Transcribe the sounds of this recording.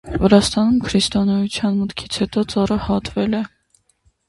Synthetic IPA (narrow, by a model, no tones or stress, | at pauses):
vəɾɑst̪ɑnumkʰɾist̪ɔnɔjut͡sʰjɑnmət̪kʰit͡sʰhɛt̪ɔt͡sɑrəhɑt̪vɛlɛ